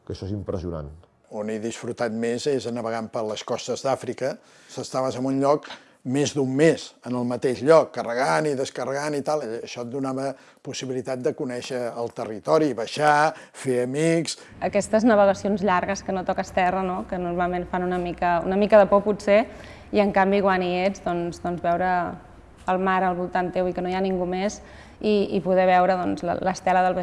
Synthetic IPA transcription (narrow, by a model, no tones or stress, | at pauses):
kəʃɔezimpɾəziuna̰n | oniðisfɾut̪at̪mezeznəβəɣampəɾləskɔst̪əzðafɾikə | səst̪aβəzəmunʎɔk | mezd̪umːezənəlˠmət̪eʃʎɔkːərəɣaniðəskərəɣanit̪alˠəʃɔt̪̚d̪unaβə | pusiβilit̪at̪̚d̪əkunɛʃəːlˠt̪ərit̪ɔɾiβəʃa | feəmiks | əkɛst̪əznəβ̞əɣ̞əsionzʎaɾɣəskənot̪ɔkəst̪ɛrənokənurmalˠmenfanunəmikəṵnəmikəðəpɔputse | iəŋkambiɣwanied͡zðɔnzðɔnzβɛwɾəː | lˠmaɾəlˠβulˠt̪ant̪ewikənojaniŋɡumez | iipuðɛβ̞ɛwɾəðɔnzlə̰ləst̪ɛləðəlˠβə